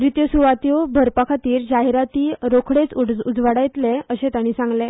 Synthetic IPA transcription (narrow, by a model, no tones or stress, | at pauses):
ɾit̪jəsuʋat̪iobʱəɾpakʰat̪iːɾd͡ʑaɦiɾat̪iːɾokʰɽet͡suud͡zʋaɽajt̪leəɕẽt̪aɽ̃iːsãŋɡle